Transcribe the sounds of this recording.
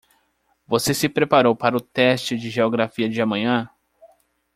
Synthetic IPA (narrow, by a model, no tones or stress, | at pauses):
vosesɪpɾepaɾowpaɾɐʊt̪ɛst͡ʃɪd͡ʒɪʒeoɡɾafiɐd͡ʒɪamɐ̃ɲɐ̃